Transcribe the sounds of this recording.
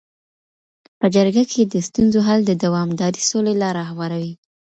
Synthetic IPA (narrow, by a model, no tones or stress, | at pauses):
pəd͡ʒəɾɡakʰed̪əst̪unzoɦald̪əd̪awɑmd̪ɑɾisolelɑɾɑhwɑɾawi